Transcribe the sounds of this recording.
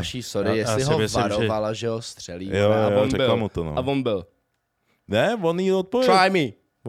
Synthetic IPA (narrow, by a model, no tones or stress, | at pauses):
ʃisoɾɪjɛslɪɦoɛsvɾovalaʒɛɦost̪r̝̥ɛlḭjoaoɾɛbɪlamut̪ono̰avonbɪl | nɛvoniot̪̚povjɛɾajmi